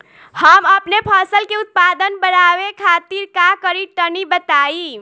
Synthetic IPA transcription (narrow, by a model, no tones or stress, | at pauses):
həməpnepʰəsəlkeut̪̚pad̪ənbənaʋekʰat̪iɾkakəɾiʈənibət̪ai